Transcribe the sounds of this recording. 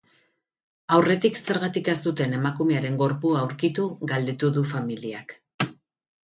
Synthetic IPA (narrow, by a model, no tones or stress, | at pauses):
awre̞t̪ikse̞ɾɣat̪ikest̪ut̪e̞ne̞makume̞aɾe̞ŋɡo̞ɾpuaːwɾkit̪uɣald̪e̞t̪uðufamiliak